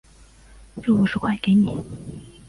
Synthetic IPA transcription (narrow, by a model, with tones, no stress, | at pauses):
ʈ͡ʂo˥˩u˧˥˩ʂɻ̩˥kʰwa˥˩ɪke˧˥ɪni˨˩˦